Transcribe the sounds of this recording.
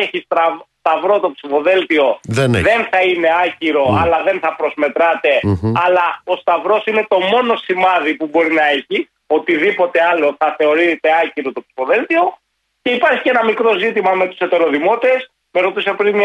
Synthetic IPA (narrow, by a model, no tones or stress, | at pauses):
eçisɐst̪ɐvɾo̞t̪o̞psifo̞ðe̞lt̪io̞ðenðe̞nθɐine̞ɐciɾo̞ɐ̰lɐðe̞nθɐpɾo̞zme̞t̪ɾɐt̪e̞ɐlɐo̞st̪ɐvɾo̞sine̞t̪o̞mo̞no̞simɐðipubo̞ɾinɐeçi | o̞t̪iðipo̞t̪e̞ɐlo̞θɐθe̞o̞ɾit̪e̞ɐciɾo̞t̪o̞psi̥fo̞ðe̞lt̪io̞ | ce̞ipɐɾçicenɐmikɾo̞zit̪imɐme̞t̪u̥se̞t̪e̞ɾo̞ðimo̞t̪e̞s | me̞ɾo̞t̪isɐpɾinm